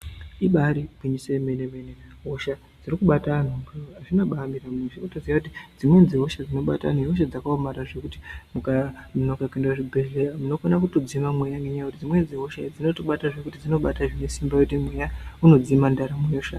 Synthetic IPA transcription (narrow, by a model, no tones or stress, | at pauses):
iɓaɾibʱiɲisemenemenenaɦoʃa | d͡zirikuɓatan̤oŋɡaaʐinoɓaːmiramuʃakutoziakutid͡zimwenziɦo̞ʃad͡zino̞ɓa̰ta̰noɦo̞ʃ̬ad͡zakaomaɾaʐe̞kutimukamunokakendaʐibʱeɮeramuno̞konakuto̞d͡zimamwejaŋɡeɲaekutid͡zimwe̞nd͡ziɦo̞ʃad͡zino̞to̞ɓataʐe̞kutid͡zino̞ɓataʐine̞simbajeutimwe̞jauno̞d͡zimandaɾamweoʃa